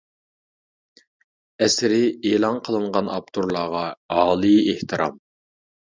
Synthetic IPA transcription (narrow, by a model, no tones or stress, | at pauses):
ɛsɪɾɪeːlˠɑnqʰəlˠɨɴʁɑnɑ̰p̚t̪ʰuɾlˠɑːʁɑɑːlˠɨeht̪ʰɨɾʔɑ̰m